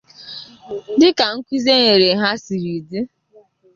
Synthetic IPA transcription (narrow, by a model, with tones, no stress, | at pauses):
dɪ˦ka˨ŋ̩˦kʷi˦ze˦ŋe˨ɾe˨ɦa˦si˨ɾi˨di˦